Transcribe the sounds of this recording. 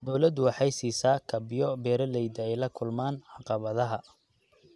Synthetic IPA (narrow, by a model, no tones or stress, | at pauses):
d̪ɔwlɐd̪ʊwɑħɑjsiːsaːkʰɐbɪjɔbɛːɾɐlɛjd̪ɐɛjlɐkʰʊlmaːnʕɑqɑβɐðɐɦɐ